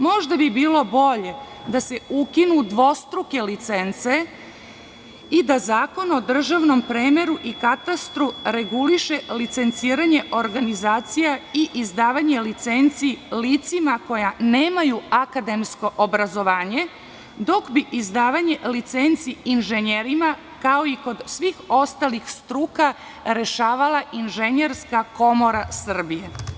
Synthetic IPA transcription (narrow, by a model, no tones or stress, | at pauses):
mo̞ʒd̪abibiːlˠo̞bo̞ʎe̞ | d̪ase̞ukinud̪ʋo̞st̪ɾuke̞lit̪sent̪se | id̪azaːko̞no̞d̪r̩ʒaʋno̞mpɾeːmeɾuʔikat̪ast̪ɾuɾe̞ɡuliʃelit̪se̞nt̪siːɾaɲe̞ʔo̞ɾɡanizaːt̪sijaiʔizd̪aːʋaɲe̞lit̪se̞nt̪silit̪simako̞janeːmajuakad̪e̞msko̞ʔobɾazo̞ʋaːɲe̞ | d̪o̞kbiʔizd̪aːʋaɲe̞lit̪sent̪siinʒeɲeɾima | kao̞iko̞d̪sʋixo̞st̪alixst̪ɾuːka | ɾe̞ʃaːʋalaʔinʒe̞ɲe̞ɾskako̞mo̞ɾasr̩bije